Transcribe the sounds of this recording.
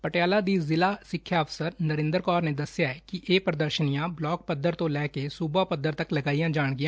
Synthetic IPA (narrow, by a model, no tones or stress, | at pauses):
pəʈjaːlaːd̪iːzɪlaːsɪkʰːjaːəpʰsəɾnəɾɪ̃ːnd̪əɾkɔːɾneːd̪əsjaːɛkiʔeːpɾəd̪əɾʃənijãːblɔːk̚pəd̪ːəɾt̪õːlɛːkesuːbaːpəd̪ːəɾt̪əkləɡaːijãːd͡ʒaːɳɡɪjã